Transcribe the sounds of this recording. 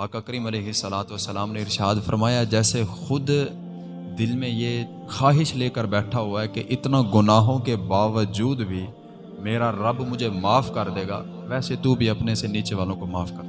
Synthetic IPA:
paːkɐkɾiːmɐleːɦɪsːəlaːt̪ʋəsːəlaːmneɪɾʃaːd̪fɐɾmaːjad͡ʒɛːsexʊd̪ | d̪ɪlmẽje | xaːɦɪʃleːkəɾbɛːʈʰaɦʊaɛkeʔɪt̪naɡʊnaːɦõkebaːʋəd͡ʒuːd̪bʱi | meːɾaɾɐbmʊd͡ʒʱemaːfkɐɾd̪eːɡa̰ː | ʋɛːset̪ubʱiɐpneseniːt͡ʃeʋaːlõkomaːfkɐɾ

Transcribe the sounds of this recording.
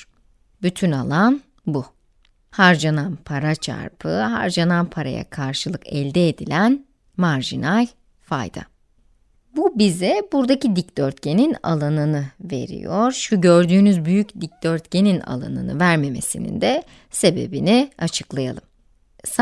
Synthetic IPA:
byt̪ʰynalˠan | bu | haɾd͡ʒananpʰaɾat͡ʃʰa̰ɾpʰɯɦa̰ɾd͡ʒananpʰaɾa̰ja̰kʰaɾʃɯlˠɯkɛlʲd̪ɛːd̪ilʲæn | maɾʒinalʲ | fa̰jd̪̥a̰ | bubizɛbuɾd̪acid̪icd̪̥øɾt̪̚cʰe̞nina̰lˠanɯnɯve̞̰ɾḭjoɾ̥ʃuɟøɾd̪yːnyzbyjycd̪ic̚d̪̥øɾt̪ce̞nina̰lˠa̰nɯ̰nɯ̰væɾme̞me̞̰sinḭnd̪ɛ | se̞be̞̰biniat͡ʃʰɯ̥klˠaja̰lˠɯm | s

